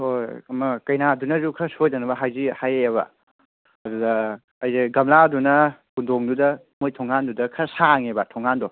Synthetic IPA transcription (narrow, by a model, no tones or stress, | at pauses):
hojɐmɐkɐjnadunɐzukʰɐsojdɐnɐbɐɦajzihajeeβɐ̰ | ɐdudɐː | jzeɡɐmladunɐkundoŋdudɐ | mojtʰɔŋandudɐkʰɐsaŋebɐtʰɔŋːandɔ